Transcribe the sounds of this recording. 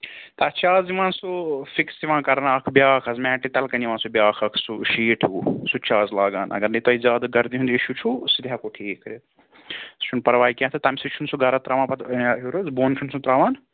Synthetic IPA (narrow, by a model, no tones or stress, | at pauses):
t̪ɐt͡ʃʰaːziʋãːnsufiksiʋãːkɐɾɐnɐkʰbʲjaːkʰɐzmɛ̃ːʈːit̪ɐlkɐniʋãːnsubʲjaːkʰɐkʰsuʃiːʈʰuːsut͡ʃʰaːzlaːɡaːnɐ̰ɡɐɾnɐt̪ɐizʲaːd̪ɡɐɾd̪iɦund̪iʃut͡ʃʰusid̪ʲɦakoːʈʰiːkʰːɐɾet̪ | st͡ʃʰunpɐɾʋaːikʲjãːt̪ʰɨt̪ɐmsit͡ʃʰunsuɡɐɾɐt̪ɾaːʋãːnpɐt̪ːɦuɾɐzboːnt͡ʃʰunsũt̪ɾaːʋãːn